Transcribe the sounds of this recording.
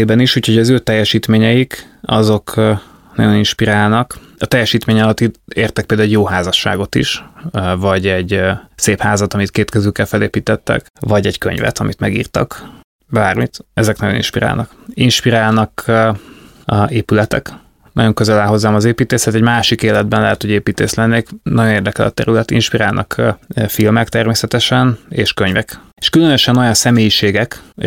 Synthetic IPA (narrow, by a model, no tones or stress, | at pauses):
eːbɛniʃuːcho̞ɟɒzøːt̪ɛjːɛʃiːt̪meːɲɛjik | ɒ̰zo̞k | nɒ̰ɟo̞ninʃpiɾaːlnɒk | ɒt̪ɛjːɛʃiːt̪meːɲɒlɒt̪id̪eːrt̪ɛk̚peːld̪auuɟjoːɦaːzɒʃːa̰ːɡo̞t̪ḭʃvɒɟɛɟseːphaːzɒt̪ɒmit̪keːt̪kɛzyːkːɛlfɛleːpiːt̪ɛt̪ːɛ̰k | vɒɟɛɟkø̰ɲvɛ̰t̪ɒmḭt̪mɛɡḭːrt̪ɒ̰k | baːrmit̪ɛzɛknɒɟjo̞nḭnʃpiɾa̰ːlnɒkinʃpiɾaːlnɒk | eːpylɛt̪ɛ̰k | nɒ̰ɟo̞ŋkøzɛlaːɦo̞zːaːmɒzeːpiːt̪eːset̪ɛɟmaːʃikeːlɛd̪̚bɛnlɛɦɛt̪hoɟeːpiːt̪ḛːʃlɛnːeːknɒjo̞neːrd̪ɛkɛlɒ̰t̪ɛ̰ɾylɛt̪ḭnʃpiɾaːlnʔɒkːfilmɛkt̪ɛrmeːsɛt̪ɛʃɛnḛːʃkøɲvɛk | e̥ʃkylønøʃɛno̞jɒnsɛmeːjiʃeːɡɛk